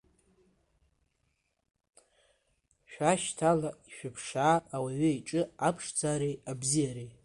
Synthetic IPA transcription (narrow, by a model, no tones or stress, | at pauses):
ʃᶣaʃtʰalaiʃᶣʊpʰʂaːwaɥʏiʈ͡ʂʼɨapʰʂd͡zaɾejabzijaɾej